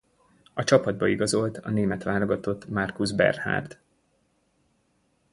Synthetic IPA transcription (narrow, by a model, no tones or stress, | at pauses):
ɒt͡ʃɒpɒd̪̚bɒiɡɒzo̞lt̪ɒ̰neːmɛt̪ʋaːloɡɒt̪o̞t̪ːmɒrkuzbɛ̰rha̰ːrd̪